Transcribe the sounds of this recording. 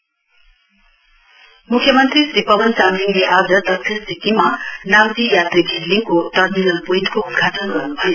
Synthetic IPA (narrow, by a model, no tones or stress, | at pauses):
mukʰːjʌmʌnt̪risɾipʌbʌnsamliŋleʔad͡zʌd̪ʌssʰissit̪imanamd̪ijat̪riɡʱiɾliŋkot̪ʌɾminʌlpujt̪koud̪̚ɡʱaʈʌnɡʌrnubʱʌjo